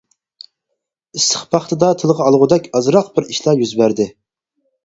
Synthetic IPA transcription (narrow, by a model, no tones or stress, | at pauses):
ist̪ə̥χpʰɑχt̪ʰɨd̪ɑt̪ʰɨlˠʁɑɑlˠʁʊd̪ɛkʲɑzɾɑqbɪɾiʃlˠɑjyzbæɾd̪ɪ